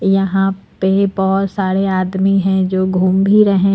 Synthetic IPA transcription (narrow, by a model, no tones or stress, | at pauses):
jɐɦãpebɔɦʊt̪saːɾeaːd̪miɦɛ̃d͡ʒoːɡʱuːmbʱiɾɐɦẽ